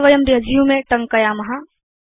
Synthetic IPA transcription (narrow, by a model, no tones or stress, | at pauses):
ʋɐjɐmd̪iɦɐd͡ʒʱijumẽʈɐ̃ŋkɐjamɐɦa